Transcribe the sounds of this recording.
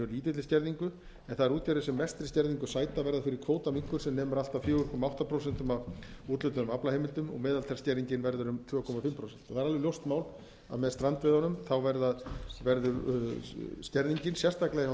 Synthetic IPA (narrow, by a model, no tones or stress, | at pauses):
œliːt̪ɪt̪ɪscɛɾðiŋkʏ | ɛnθaðɛɾuːt̪jaɾɪsɛmːɛst̪ɾɪ̥scɛɾðiŋkʏsaːjt̪avɛɾðafɪɾɪɾ̥kʰvoːwt̪amiŋkvʏɾ̥sɛmnɛːmʏɾalt̪awfjʏːʏɾkʰɔmaawht̪apʰɾows̬ɛnt̪ʏmavuːt̪lʏt̪ʏnʏmaplaheːjmɪlt̪ʏmɔ̰ɣmɛːðalt̪ʰɛɾ̥scɛɾðiɲcɪnvɛɾðʏɾʏmt̪ʰvœːkʰɔmafɪmːpʰɾowsɛn̥t̪ɔ̥θaːɾalvɪljowst̪maːwl | a̰ðmɛðst̪ɾant̪vɪðɔnʏmθawvɛɾðaðvɛɾðʏɾ | scɛɾðiɲcɪnsjɛst̪aklɛɣ